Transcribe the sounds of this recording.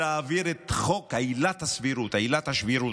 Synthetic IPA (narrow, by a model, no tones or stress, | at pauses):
aːviɾet̪χo̞kajlat̪hasviɾut̪ajlat̪haʃviɾu